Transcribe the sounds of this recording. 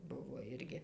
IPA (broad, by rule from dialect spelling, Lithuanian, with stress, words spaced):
ˈbʊʋoː ˈɪrʲɡʲɪ